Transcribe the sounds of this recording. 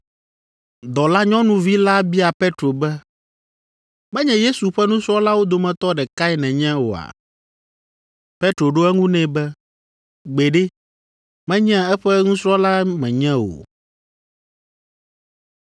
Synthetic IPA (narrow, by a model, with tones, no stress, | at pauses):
d̪ɔ˨la˦ɲɔ̃˦nũ˦vi˦la˦bi˦a˨pe˦t̪ɾo˨bɛ˦ | mɛ̃˦ɲɛ̃˨je˦su˨ɸɛ˦nũ˦sɾɔ̃˦la˦wo˦d̪o˨mɛ̃˨t̪ɔ˦ɖɛ˨ka˦i˦nɛ̃˨ɲɛ̃˦wo̰˨a̰˨ | pe˦t̪ɾo˨ɖo˦ɛ˦ŋũ˦nɛ̃˦bɛ˦ | ɡ͡be˨ɖe˦ | mɛ̃˦ɲɛ̃˦ɛ˦ɸɛ˦ŋũ˦sɾɔ˦la˦mɛ̃˨ɲɛ̃˦wo̰˨